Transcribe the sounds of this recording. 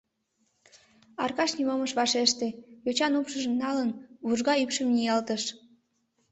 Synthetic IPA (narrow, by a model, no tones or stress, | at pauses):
ɑ̰rkɑʃnimoməʃβɑʃeʃt̪ejot͡ɕɑnupʃəʒə̆mnɑlənβuʒɣɑypʃəmnʲijɑlt̪əʃ